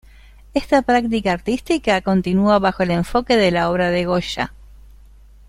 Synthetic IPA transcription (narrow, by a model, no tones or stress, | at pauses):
est̪apɾak̚t̪ikaːɾt̪ist̪ikako̞nt̪inuaβaxo̞ele̞ɱfo̞ke̞ðe̞lao̞βɾaðe̞ɣo̞ʃa̰